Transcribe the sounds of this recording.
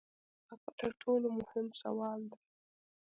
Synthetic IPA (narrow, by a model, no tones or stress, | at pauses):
akat̪ʰaɾʈʰoːlomʊhɪmsa̰wɑːld̪a